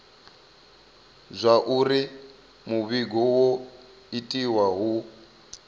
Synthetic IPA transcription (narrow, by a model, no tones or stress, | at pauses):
zʷaʔuri | muβiɡɔwɔ | itʼiwaɦu